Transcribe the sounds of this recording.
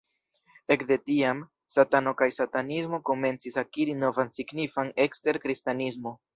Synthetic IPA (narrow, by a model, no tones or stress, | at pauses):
e̞kde̞tiam | satano̞kajsatanizmo̞ko̞me̞nt͡sisakiɾino̞vansiɡnifane̞kste̞ɾkɾistanismo̞